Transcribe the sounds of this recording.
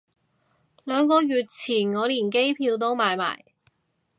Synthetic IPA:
lœː˨˧ŋkɔː˧jyː˨˧t̚t͡sʰiː˨˩nŋɔː˨˧liː˨˩nk̬e˥jpʰiː˧wt̪o˥wmaː˨˧jma̰ː˨˩j

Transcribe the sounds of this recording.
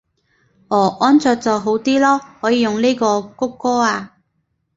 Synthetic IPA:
ʔɔː˨˩ʔɔː˥nt͡sœː˧k̚t͡sɔː˨˩ɦo˨˥wt̪iː˥lɔː˥hɔː˨˥jiː˨˧jʊ˨˩ŋleː˥jkɔː˧kʊ˥kːɔː˥aː˧

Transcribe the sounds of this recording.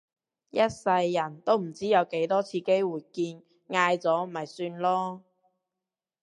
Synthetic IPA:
jɐ˥t̚sɐ˧jːɐ˨˩nt̪o˥wm̩˨˩t͡siː˥jɐ˨˧wke˨˥jt̪ɔː˥t͡sʰiː˧ke˥jwuː˨˩jkiː˧n | ŋaː˧jt͡sɔː˨˥m̩˨˩˨ɐ˨˩jsyː˧nlɔː˥

